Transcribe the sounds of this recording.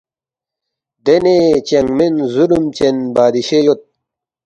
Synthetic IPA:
d̪enet͡ɕɐŋɡmenzulumt͡ɕenbaːd̪iɕejot̪̚

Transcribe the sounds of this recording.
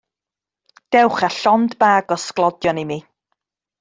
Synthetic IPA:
d̥ɛwχaɬɔndbaːɡɔsklˠɔdjɔnimi

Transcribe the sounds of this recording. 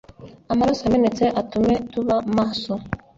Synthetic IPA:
amaɾasamɛnɛtɛʔatumɛtuβamasɔ

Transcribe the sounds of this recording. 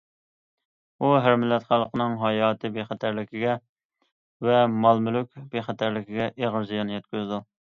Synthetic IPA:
uɦæɾmɪlːɛt̪χælˠːəqənɨŋɦɑjɑːt̪ʰɨbeχæt̪ʰæɾlɪkʲʰiɡʲɛ | vɛmɑlˠmylykʲbeχæt̪ʰæɾlɪkʲiɡʲɛʔeʁəɾzijɑnɨjɛt̪̚kʲyzɪd̪u

